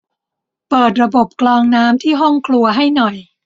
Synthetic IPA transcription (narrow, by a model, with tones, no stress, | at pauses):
pɤː˨˩t̪̚ɾa˧bo˨˩p̚klɔː˧ŋnaː˦˥mt̪ʰiː˥˩ɦɔ˥˩ŋkʰlu˧ɐɦa˥˩jnɔ˨˩j